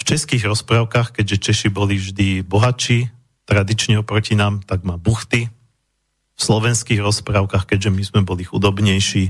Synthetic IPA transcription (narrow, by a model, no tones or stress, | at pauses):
ft͡ʃɛskiːɣɾɔspɾaʊkaːxkɛɟʒɛt͡ʃɛʃibɔlivʒd̪ibɔɦat͡ʃiː | t̪ɾad̪it͡ʃɲɛɔpɾɔcinaːmt̪aɡmabuxt̪i | fslɔʋɛnskiːɣɾɔspɾaʊkaxkɛɟʒɛmizmɛbɔlixṵd̪ɔbɲɛjʃiː